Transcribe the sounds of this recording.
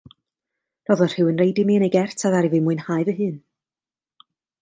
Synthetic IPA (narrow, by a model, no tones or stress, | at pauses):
r̥ɔðɔr̥hɨwənrejdɪmiːənejɡɛrtʰaðaɾivɨmuɨnhaɨvəɦɨːn